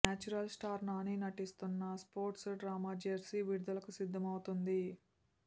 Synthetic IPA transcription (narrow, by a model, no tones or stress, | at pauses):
naːt͡ʃuɾɐlsʈaːɾnaːninɐʈist̪unːɐspo̞ːɾʈsɖɾaːmaːd͡ʒeɾsiʋiɾud̪ɐlɐkusid̪ʱːɐmɐwut̪und̪i